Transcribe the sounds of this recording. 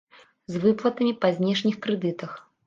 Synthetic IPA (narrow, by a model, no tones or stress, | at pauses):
zvɨplˠɐt̪ɐmʲipɐzʲnʲɛʂnʲixkɾɛd̪ɨt̪ɐx